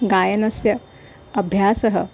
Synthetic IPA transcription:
ɡaːjɐnɐsjɐ | ɐbʱjaːsɐɦɐ

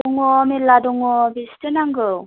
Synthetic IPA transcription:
ɔŋɔmeladɔŋɔbistɯnaŋɡɯw

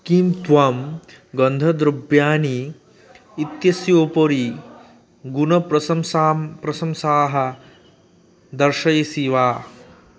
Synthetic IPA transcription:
kimt̪ʋɐm | ɡɐnd̪ʱɐd̪ɾubjaːniː | t̪jɐsjoːpoɾi | ɡunɐpɾɐɐmspɾɐsɐmsaːɦɐ | d̪ɐɾʃɐjɐsiʋaː

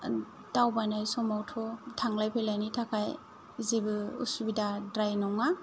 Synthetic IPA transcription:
dawbajnajsɔmawtʰɔtʰaŋlajpʰelajnitʰakʰaj | zebɯṵsubidadɾajnɔŋa

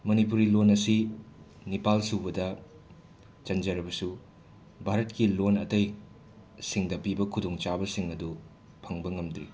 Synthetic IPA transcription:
mɐnipuɾilonɐsi | nipalsubɐdɐ | t͡ʃɐnd͡ʒɐɾɐbɐsu | bʱaɾɐtkilonɐtɐj | siŋdɐpibɐkʰudoŋt͡ʃabɐsiŋɐdu | pʰɐŋbɐŋɐmd̪ɾḭ

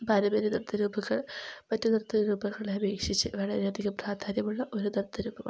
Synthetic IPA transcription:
bʱɐɾɐbɐɾid̪ɐrt̪ʰːɐɾuːbɐɣɐɭpɐtːud̪ɐrt̪ʰːɐɾuːbɐɣɐɭeɐbeːkʂit͡ɕːɨʋɐɭɐɾeɐd̪ʱiɣɐpraːd̪ʱaːɾjɐmuɭːɐʔoɾud̪ɐrt̪ʰːɐɾuːbʱɐmɐ̰

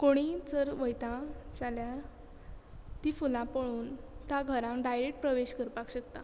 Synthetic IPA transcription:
koɽ̃id͡zəɾʋəjt̪ãd͡zalja | t̪ifulãpəɭ̃uːnt̪jãɡʱəɾãŋkɖajɾekʈ̚pɾəʋeɕkəɾpakɕəkt̪a̰

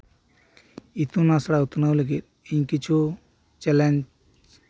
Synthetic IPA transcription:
it̪unasɽaut̪nawləɡit̪̚ | iɲkit͡ʃʰu | t͡ʃɛlen

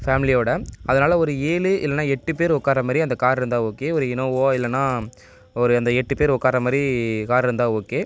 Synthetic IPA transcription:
faːmɪlɪjoːɽɐɐðɐnaːlɐɔɾɯeːlɯʔɪ̰lːɛnːaːɛʈːɯpeːɾʊkːaːɾɐmaːd̪ɾiɐnd̪ɐkaːɾɪɾɯnd̪aːoːkeːɔɾɯɪnoːoːɪlːɐnːaː | ɔɾɯɐnd̪ɐɛʈːɯpeːɾʊkːaːɾɐmaːdɾikaːɾɪɾɯnd̪aːoːkeː

